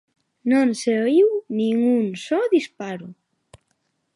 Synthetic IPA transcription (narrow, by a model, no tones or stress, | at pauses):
nonseoiwniŋunsɔðispaɾu